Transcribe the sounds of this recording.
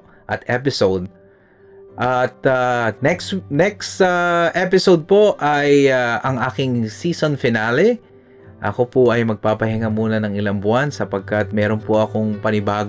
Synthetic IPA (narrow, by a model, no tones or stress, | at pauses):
ʔɐt̪ʔɛp̬ɪsowd̪̚ | ʔat̪anɛksnɛksaʔɛpɪsowd̪̚po̞ʔajaɐŋʔaːkɪŋsiːso̞nfɪnalɛ | ʔɐ̰ko̞pʊʔɐjmɐɡ̚paːpɐhɪŋamuːnɐnɐŋɪlambʊansɐpɐɡ̚kat̪̚mɛːɾo̞npoʔɐko̞ŋpɐnɪbaːɡ